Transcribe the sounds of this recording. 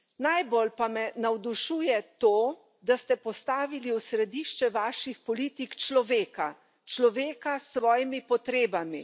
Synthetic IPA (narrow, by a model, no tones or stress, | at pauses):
najbolpamɛnawd̪uʃuːjɛt̪oː | d̪ast̪ɛpɔst̪aːʋiliusɾɛd̪iːʃt͡ʃɛʋaːʃixpɔliːt̪ikt͡ʃlɔʋeːka | t͡ʃlɔʋeːkasːʋɔːjimipɔt̪ɾeːbami